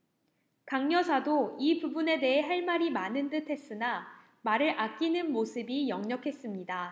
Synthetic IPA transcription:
kaŋɲʌsʰadoipubune̞de̞ɦe̞ɦaɭmaɾimanɯntɯtʰe̞s͈ɯna | maɾɯɾʔak͈̚inɯnmosʰɯbijʌŋɲʌkʰe̞s͈ɯmɲida

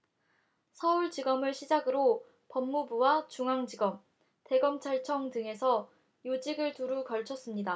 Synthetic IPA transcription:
sʰʌuɭd͡ʑiɡʌmɯɭɕʰid͡ʑaɡɯɾo | pʌmːubuwat͡ɕuŋɦaŋd͡ʑiɡʌm | te̞ɡʌmt͡ɕʰaɭt͡ɕʰʌŋdɯŋe̞sʰʌ | jod͡ʑiɡɯɭtuɾukʌɭt͡ɕʰʌs͈ɯmɲida

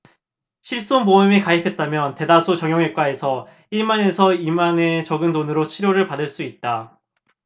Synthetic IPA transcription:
ɕʰiɭs͈onboɯmikaipʰe̞t̚t͈amjʌnte̞dasʰut͡ɕʌŋjʌŋek͈wae̞sʰʌ | iɭmane̞sʰʌimane̞t͡ɕʌɡɯndonɯɾot͡ɕʰiɾjoɾɯɭpadɯɭs͈uit̚t͈a

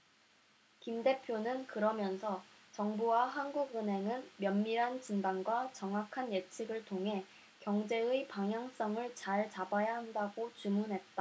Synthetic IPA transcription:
kimde̞pʰjonɯnkɯɾʌmjʌnsʰʌt͡ɕʌŋbuwaɦanɡuɡɯnɦe̞ŋɯnmjʌnmiɾɦant͡ɕindaŋɡwat͡ɕʌŋwakʰanjet͡ɕʰiɡɯɭtʰoŋɦe̞ | kjʌŋd͡ʑe̞ɯipaŋɦjaŋs͈ʌŋɯɭt͡ɕaɭt͡ɕabajaɦandaɡot͡ɕumunɦe̞t̚t͈a

